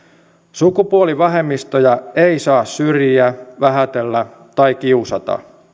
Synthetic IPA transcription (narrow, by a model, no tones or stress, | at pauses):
sukupuoliʋɑɦe̞mːist̪ojɑe̞jsɑːssyrjiæʋæɦæt̪elːæ | t̪ɑjkiusɑt̪ɑ̰